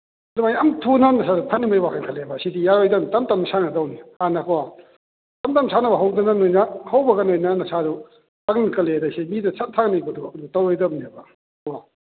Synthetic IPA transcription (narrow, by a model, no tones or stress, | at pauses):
dumajamtʰunɐnɐsadupʰɐnːimajwakʰɐnkʰɐlebɐsidijaɾojdɐnitɐmtɐmsʰanɐdawnihanɐkʰwa | tɐmtamsʰanɐbɐɦawdɐnɐnojnɐhawbɐɡɐnojnɐnɐsaɾu | ɐknkʰɐledasimidɐsʰɐt̚tʰːaknijbɐduɐdutawɾɔjdɐb̚nebɐ | wa